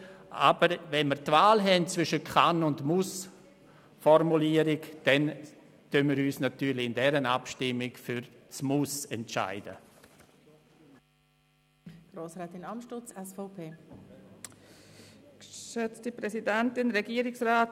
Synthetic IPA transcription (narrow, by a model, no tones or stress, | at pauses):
ʔa̰bəɾvɛnmiəɾtvaːlɦɛnt͡svʏʃəkʰanʊndmus | fɔrmuliəɾɪkd̥ɛn | tønmiɾyːsnatyːɾlɪɪndɛɾəna̰pʃtɪmːɪkfʏɾt͡smʊsɛntt͡ʃa̰ɪd̥ə̰ | ɡ̥ɾoːsɾaːtɪnamʃtʊt͡sɛsfɔʊpʰeː | kʃøt͡stipɾɛsidɛntɪnɾɛɡiːəɾɪksʁraːt